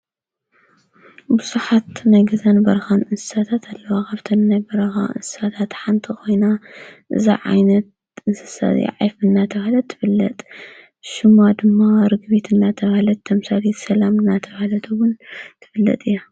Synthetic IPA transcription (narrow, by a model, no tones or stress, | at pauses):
bɨzuħat̪najɡɨzɐnbɐɾɐxanɨnsɨ̥sat̪ʰat̪ʰɐlːɐwakaβt̪ʰɐnnajbɐɾɐxa̰ʔɨ̰nsɨ̥sat̪ʰat̪ħant̪ʰikʰo̞jnaʔɨ̰zḭʕa̰jnɐt̪̚ | ɨnsɨ̥sa̰j̰ʕa̰jfɨnːat̪ʰɐβhlɐt̪ʰːɨ̥fɨlːɐ̰t̪ʼ | ʃɨmad̪ɨmːaɾɨɡbit̪ʰɨnːat̪ʰɐβhlɐt̪ʰːɐmsalit̪sɐlamɨnːat̪ʰɐβhlɐt̪ʰɨwʊnt̪ʰɨfɨlːɐ̰t̪ʼɨjːa